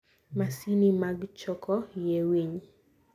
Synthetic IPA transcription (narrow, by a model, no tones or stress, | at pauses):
masinimaɡt͡ʃɔkʰɔjewiɲ